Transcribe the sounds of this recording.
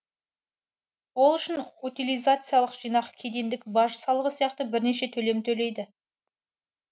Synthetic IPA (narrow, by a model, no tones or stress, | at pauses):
wo̞lˠʏʃɪnut̪ilʲijzat̪sɨjalˠəqʒ̥ijnɑqkʲʰe̞d̪e̞nd̪ɪk̚bɑʒəsɑlˠəʁəsijɑqt̪əbɪɾne̞ʃe̞t̪ʰɵle̞mt̪ʰɵle̞jd̪ɪ